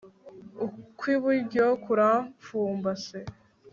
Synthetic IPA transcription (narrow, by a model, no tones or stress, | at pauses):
ukwiβuɾɟokuɾafuːmbase